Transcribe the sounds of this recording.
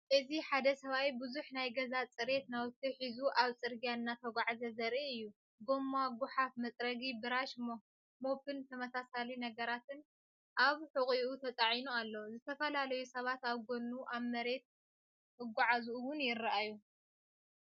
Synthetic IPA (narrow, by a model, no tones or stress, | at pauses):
ʔɨziħad̪ɐsɐβawjbɨzuħnajɡɐzat͡sʼɨɾe̞t̪nawt̪ʰːiħizuʔaβt͡sʼɨɾɡijanːat̪ʰɐɡʷaʕzɐzɐɾiɨjːu | ɡo̞maɡʊħafmɐt͡sʼɾɐɡibɨɾaʃmo | mo̞pɨnt̪ʰɐmɐsasalinɐɡɐɾat̪ʰɨn | ʔaβħɨkʼiut̪ʰɐt̪ʼaʕinualːozɨt̪ʰɐfɐlalɐjusɐβat̪aβɡonːuʔaβmɐɾe̞t̪̚ | ɨɡʷaʕazuwʊnjɪrːaʔaju